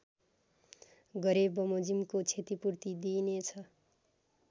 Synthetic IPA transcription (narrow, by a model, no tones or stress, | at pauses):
ɡʌɾebʌmod͡zimkot͡sʰet̪ipuɾt̪id̪inet͡sʰʌ